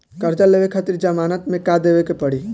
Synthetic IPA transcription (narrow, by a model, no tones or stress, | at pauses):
kəɾd͡ʒalebekʰat̪iɾd͡ʒəmanət̪mekad̪ebekepəɽ̤i